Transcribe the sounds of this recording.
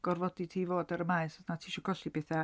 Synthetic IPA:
ɡ̥ɔrvɔditʰiːvoːdaɾəmaɨsɔsnatʰiːʃɔɡɔɬibeθa

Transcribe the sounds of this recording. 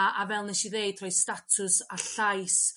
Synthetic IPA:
ʔavɛlˠnɛʃiðejd̥̚tʰr̥ɔjstatʰʊsaɬajs

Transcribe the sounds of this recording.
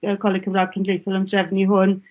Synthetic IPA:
əkʰɔlˠɪkʰəmraːd̥̚kʰəndlejθɔləmdrɛvniɦʊn

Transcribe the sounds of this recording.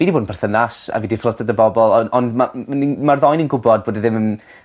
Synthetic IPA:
v̥iːdiboːdn̩pʰɛrθənasa̰viːdiflˠəθadəbɔbɔlˠɔndmaənimarðɔjninɡʊbɔd̚boːdiðɪməm

